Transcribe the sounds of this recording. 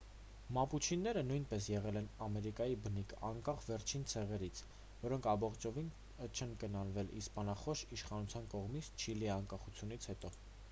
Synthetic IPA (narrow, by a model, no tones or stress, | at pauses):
mɑput͡ʃʰinːɛɾənujnpɛsjɛʁɛlɛnɑmɛɾikɑjibənikʰɑŋkɑχvɛɾt͡ʃʰint͡sʰɛʁɛɾit͡sʰ | vɔɾɔŋkʰɑmbɔχt͡ʃɔvin | t͡ʃʰɛnkənɑnvɛlḭspɑnɑχɔʃiʃχɑnut͡sʰjɑnkɔʁmit͡sʰt͡ʃʰiliɛɑŋkɑχut͡sʰjunit͡sʰhɛt̪ɔ